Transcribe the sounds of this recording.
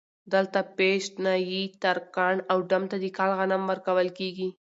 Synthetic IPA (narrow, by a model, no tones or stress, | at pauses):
d̪əlt̪apeʃʈnajit̪aɾkɑɳawɖamt̪ad̪ikɑlɣanamwəɾkawəlkeɡi